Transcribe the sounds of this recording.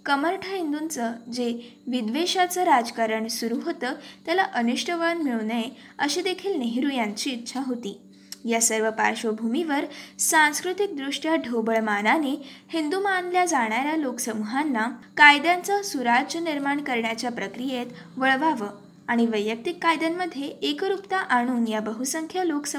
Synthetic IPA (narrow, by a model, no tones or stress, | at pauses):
kəməɾʈʰəɦind̪unt͡səd͡ze | ʋid̪ʋeɕat͡səɾad͡zkaɾəɳsuɾuɦot̪əːt̪jalaʔənuʂʈʰəʋəɭənmiɭne | əɕid̪ekʰiːlneɦiɾujaɲt͡ɕiːtːɕʰaɦot̪iː | jasəɾʋəpa̰ɾɕobʱumiʋəɾsãñskɾut̪ik̚d̪ɾuʂʈjaɖʱobəɭmananihind̪umanljad͡zaɽ̃aɾjaloksəmuɦanːakajd̪jãnt͡sasuɾad͡ʑəniɾmaɳkəɾɳjat͡ɕjapɾəkɾijet̪ʋəɭʋaʋə | aɽ̃iʋəjːək̚t̪ikːajd̪anməd̪ʱːjeekɾupt̪aʔaɽ̃uːnjabəɦusəŋkʰjəloksə